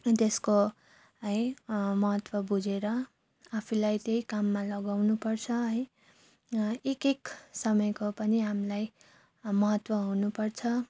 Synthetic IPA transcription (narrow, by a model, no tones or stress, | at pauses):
t̪esko | ɦʌjmʌɦʌt̪wʌbud͡zeɾʌ | apʰulajt̪ejkamːalʌɡawnupʌrt͡sʰʌɦʌj | ekeksʌmʌjkopʌniɦamilaj | mʌɦʌt̪wʌɦunupʌrt͡sʰʌ